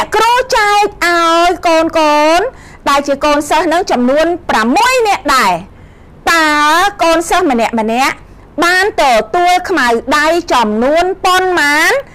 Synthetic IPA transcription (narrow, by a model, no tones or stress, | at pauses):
nɛ̆əʔkrot͡ɕaək̚ʔaɔjkoːnkoːn | ɗaɛlt͡ɕiəkoːnsəhnɨŋt͡ɕɑmnuənpramːuəjnɛ̆əʔɗaɛ | t̪aəlkoːnsəhmənɛ̆əʔmə̆nɛ̆əʔ | ɓaːnt̪ɔt̪uəlkʰmawɗajt͡ɕɑmnuənpoənmaːn